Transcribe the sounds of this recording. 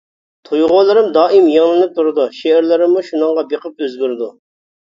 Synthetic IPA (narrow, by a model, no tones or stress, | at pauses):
t̪ʰojʁʊlˠɨɾɨmd̪ɑːʔɪmjeŋlˠɨnɪp̚t̪ʰuɾɨd̪uʃeɾlɪɾɪmːuʃunɨŋʁɑbeqʰəp̚øzɡʲyɾɪd̪u